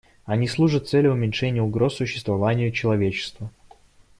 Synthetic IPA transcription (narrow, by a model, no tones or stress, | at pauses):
ɐnʲislˠuʐət̪t̪sɛlʲʊʊmʲɪnʲʂɛnʲɪjəʊɡɾo̞sːʊɕːɪ̥st̪vɐvanʲɪjʊt͡ɕɪlˠɐvʲet͡ɕɪ̥st̪və